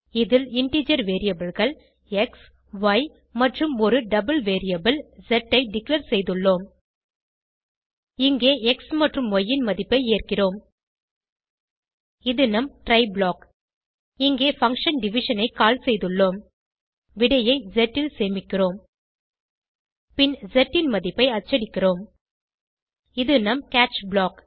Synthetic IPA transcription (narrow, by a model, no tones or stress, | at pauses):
ɪðɪlɪɳʈiːd͡ʒɐɾʋeːɾɪjɐbɐlɣɐɭ | ɛks | ʋɐɪ | mɐʈrɯmɔɾɯɖɐbɐlʋeːɾɪjɐbɪld͡ʒɛʈːɐɪɖɪkleːɾsɛjðɯɭːoːm | ɪŋɡeːɛksmɐʈrɯmɔjːɪnmɐðɪpːɐɪeːrkɪroːm | ɪðɯnɐmʈɾɐɪbɭoːk | ɪŋɡeːfɐŋkʂɐnɖɪʋɪʂɐnɐɪkaːlsɛjðɯɭːoːm | ʋɪɽɐjɐɪzɛʈːɪlseːmɪkːɪroːm | pɪnzɛʈːɪnmɐðɪpːɐɪɐt͡ʃːɐɽɪkːɪroːm | ɪðɯnɐmkaːt͡ʃbɭaːk